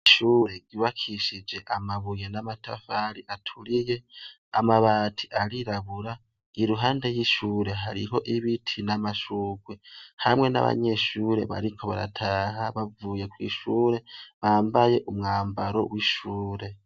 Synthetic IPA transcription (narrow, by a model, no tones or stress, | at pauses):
iʃuːɾe̞ɟiβakʰiʃid͡ʒe̞ʔamaβuje̞namatʰa̰faɾiʔatʰuɾije̞ | amaβaːtʰi̥ʔaɾiɾaβuɾa | iɾuɦaːnde̞jiʃuːɾe̞ɦaɾiɦo̞ʔiβitʰinamaʃuːɡwehamŋe̞na̰βa̰ɲe̞ʃuːɾe̞̰βa̰ɾikʰo̞βa̰ɾa̰tʰaːɦaβavuːje̞kwḭʃuːɾe̞βaːmbaje̞ʔumŋaːmbaɾo̞̰wiʃuːɾe̞